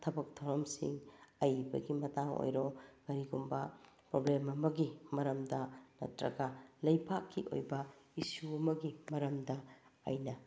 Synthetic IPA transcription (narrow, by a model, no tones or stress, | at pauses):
tʰɐbɐk̚tʰɐwɾɐmsḭŋɐjbɐ̰ɡimɐtaŋo̰jɾoɡ̥ɐɾiɡumbɐpɾoblemɐmɐɡimɐɾɐmdɐnɐ̰tɾɐ̰ɡɐlɐjpʰakʰːiʔo̰jbɐisuɐmɐɡimɐɾɐmdɐ̰ːjnɐ